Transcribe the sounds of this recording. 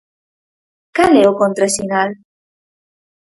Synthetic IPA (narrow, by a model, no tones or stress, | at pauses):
kaleokont̪ɾasinal